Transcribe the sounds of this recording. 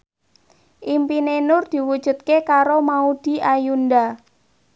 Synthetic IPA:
ʔimpinenʊrd̪̥i̤wud̥ʒ̥ṳt̪̚kekaɾomaud̪̥i̤ʔajunda

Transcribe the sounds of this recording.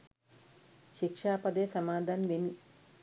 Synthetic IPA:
ʃikʂaːpɐd̪eːsɐmaːd̪ʱaːnʋeni

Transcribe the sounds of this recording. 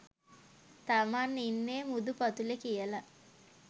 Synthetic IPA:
t̪amaːnːinːeːmud̪upat̪ulekijəla

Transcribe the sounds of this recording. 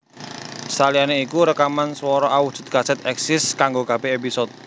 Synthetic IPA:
salianeikuɾəkamanswɔɾɔʔawud̥ʒ̥ṳt̪̚ɡ̥asɛt̪ɛksɪskaŋɡoɡ̥ab̥e̤episɔt̪̚

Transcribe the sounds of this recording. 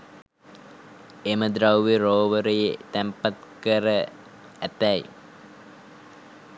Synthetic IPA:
eməd̪ɾawʋeroːʋəɾəjet̪æmpat̪kəɾə | æt̪æj

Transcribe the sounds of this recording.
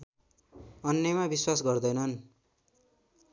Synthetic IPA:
ʌnjʌmabiswas̬ɡʌrd̪ʌjnʌn

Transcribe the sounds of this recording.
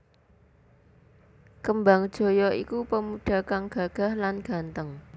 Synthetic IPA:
kəmbaŋd̥ʒ̥o̤jɔikupəmuɖ̥a̤kaŋɡ̥a̤ɡ̥a̤hlanɡ̥a̤nt̪əŋ

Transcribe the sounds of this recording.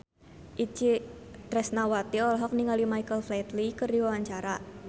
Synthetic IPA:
ʔit͡ʃit̪ɾɛsnawat̪iɔlɔɦɔk̚niŋalimaijkəlflɛt̪likərdiwawaɲt͡ʃaɾa

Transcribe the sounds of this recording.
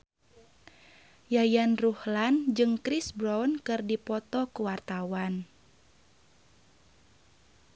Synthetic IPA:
jajanruhland͡ʒɨŋkɾisbɾawnkɨrdipɔt̪ɔkuwart̪awan

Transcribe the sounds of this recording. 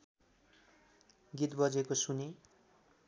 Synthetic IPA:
ɡit̪bʌd͡zekosune

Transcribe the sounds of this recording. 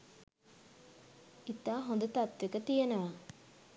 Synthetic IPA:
it̪aːɦõnd̪ət̪at̪ʋekət̪ijenəʋa

